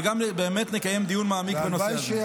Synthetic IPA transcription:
ɡambeːmet̪nekaje̞md̪ijunmaːmikbenot͡se

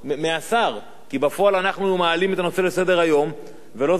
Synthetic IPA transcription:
measaʁ | kibafo̞alanaχnumaalimet̪ano̞se̞lese̞d̪e̞ʁajo̞m | ve̞lo̞

